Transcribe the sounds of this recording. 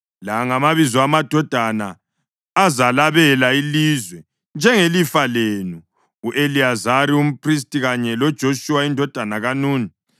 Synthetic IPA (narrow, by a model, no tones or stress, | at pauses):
laŋamaβizɔamad̥ʱɔd̥ʱanaː | zalaβɛlailizwɛ | nd͡ʒʱɛŋelifalenuː | ʔeliazaɾium̩pʰʼris̬tʼiɣaɲɛlɔd̥ʒ̥ʱoʃuwaindʱɔd̥ʱanaɣanuːni